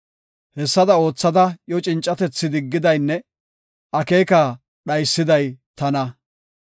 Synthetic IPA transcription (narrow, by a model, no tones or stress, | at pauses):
hɛsːɐd̪ɐo̞ːt͡sːɐd̪ɐjɔt͡ʃʼɪnt͡ʃʼːɐt̪ɛt͡sːɪd̪ɪɡːɪd̪ɐjnːɛ | ʔɐke̞ːka | ɗɐjsːɪd̪ɐjt̪ɐnɐ